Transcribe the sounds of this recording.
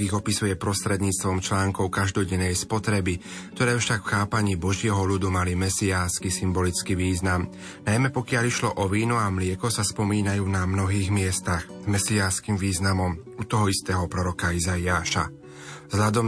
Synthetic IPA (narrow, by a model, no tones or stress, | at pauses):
iɣɔpisujɛpɾɔst̪ɾɛd̪ɲiːt͡st̪ʋɔmt͡ʃlaːŋkɔʊkaʒd̪ɔɟɛnːɛjspɔt̪ɾɛbi | k̚t̪ɔɾɛːfʃakfxaːpaɲiːbɔʒɪɛɦɔlud̪umalimɛsiaːskisimbɔlit͡skiʋiːznam | najmɛpɔkɪaʎiʃlɔʔɔʋiːnɔamlɪɛkɔsaspɔmiːnajuːnamnɔɦiːɣmɪɛst̪aɣ | mɛsiaːskiːmʋiːznamɔm | ut̪ɔɦɔist̪ɛːɦɔpɾɔɾɔkaizaiaːʃa̰ | zɦʎad̪ɔm